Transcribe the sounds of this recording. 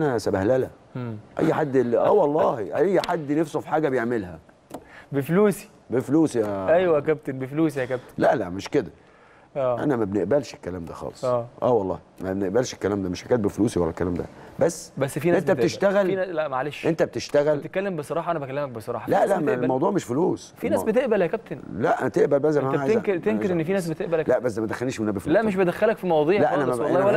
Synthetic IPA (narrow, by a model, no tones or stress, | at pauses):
ʔænæsæbæhlælæ | ʔæ̰jːħad̪ːelːʔæːwɑlˤːɑːhʔæjːħad̪ːnæfsofi̥ħaːɡæbejeʕmelhæ | befluːsi̥ | befluːsijææjwækæb̚t̪enbefluːsijækæb̚t̪læʔlæʔmeʃked̪æ | ʔæːʔæ̰næmæbneʔbælʃekːælæːmd̪æxɑ̰ːlesˤæːʔæ̰ːwɑlˤːɑ̰ː | mæbneʔbælʃekːælæːmd̪æmeʃħaɡæːt̪̚befluːsiwælːækːælæːmd̪æ̰bæsːbæsːfiːnʔent̪æbt̪eʃt̪æɣælnælæʔmæʕaleʃʔent̪æb̚t̪eʃt̪æɣælt̪ekːælːembesˤɑɾˤɑːħɑʔænæbækælːemæk̚besˤɑɾɑ̰ːħɑlæʔlæʔmælmɑwd̪ˤuːʕmeʃfoluːsfiːnæːsbet̪eʔbælhækæb̚t̪enlæʔæt̪eʔbælbæs̬æmææakɾt̪enkeɾʔenːfiːnæːs̬bet̪eʔbælhælæʔbæsːmæd̪æxːælniːʃmenæbefulæʔmeʃ̬bed̪æxːælækfimɑwɑd̪ˤiːlæʔænæmmæʔlːwælː